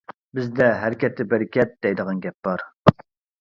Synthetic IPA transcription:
bɪzd̪ɛɦæɾɪkʲɛt̪ːɪbæɾɪkʲʰɛt̪̚d̪̥ɛjd̪əʁɑnɡʲɛp̚b̥ɑɾ

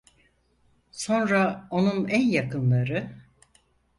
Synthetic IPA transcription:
so̞nɾao̞nunænjakʰɯnlˠaɾɯ

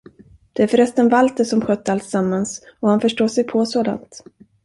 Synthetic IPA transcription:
d̪̥ɛæɾfœɾɛst̪ənvalt̪əʂɔmɧœt̪ːəalt̪samːansɔhanfœʂʈoːʂɛjpʰɔsoːd̪a̰nt̪

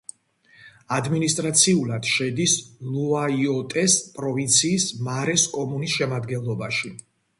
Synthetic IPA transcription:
ad̪minist̪ʼɾat̪sʰiulad̪̥ʃɛd̪isluaiɔt̪ʼɛspʼɾɔvint̪sʰiːsmaɾɛskʼɔmunisʃɛmad̪ɡɛnlˠɔbaʃi

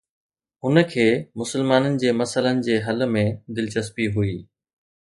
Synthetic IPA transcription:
ɦʊnə̆kʰeːmʊsəlmaːnənɪ̆d͡ʑeːmɐsələnɪ̆d͡ʑeːɦɐlmẽd̪ɪlt͡ɕəspiɦʊiː

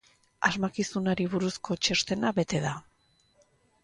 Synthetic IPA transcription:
a̰zmakisunaɾiβuɾusko̞t͡ʃe̞st̪e̞naβe̞t̪e̞ða

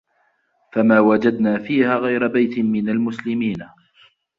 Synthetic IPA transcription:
famaːwad͡ʒad̪naːfiːhaːɣajɾabajt̪ɪmɪnalmʊslɪmiːn

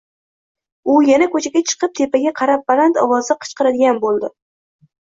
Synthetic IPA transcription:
ʊjanakʰɵt͡ʃʰaɡʲat͡ʃʰɨ̥qɨp̚t̪ʰepʰaɡʲaqʰɑɾap̚balant̪ʰɒwɒzɪqʰɨ̥t͡ʃqɨɾad̪ɪɡʲanbolˠd̪ɪ

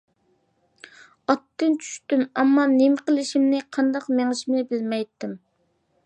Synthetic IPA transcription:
ɑt̪ːɪnt͡ʃʰy̥ʃt̪ymɛmːɑnemqəlˠɪʃimnɪqʰɑnd̪ɑqmeŋɪʃmɪnɪbɪlmɛjt̪ːɪm

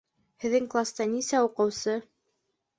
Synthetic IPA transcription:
hɘ̆ðːɘŋklˠast̪ɑnisæuqɤ̆wsɤ

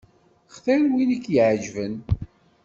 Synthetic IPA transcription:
χθælwinikːjəʕʒvən

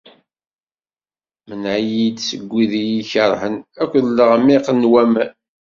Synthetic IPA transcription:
mənʕjid̪səɡʷːiðijiçəɾˤhənækʷːðəlːəʁmiqənwæmæ

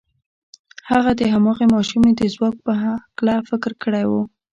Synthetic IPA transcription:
haɣad̪əɦamɑɣemɑʃumed̪əzwɑk̚pəɦaklafɪkɾkəɽajwu

